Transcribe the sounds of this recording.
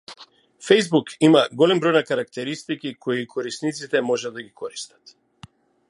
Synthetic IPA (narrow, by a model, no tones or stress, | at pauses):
fɛjzbukimaɡɔlɛmbɾɔjnakaɾakt̪ɛɾist̪ikikʰɔjikʰɔɾisnit̪sit̪ɛmɔʒɛd̪aɡikɔɾist̪ḁt̪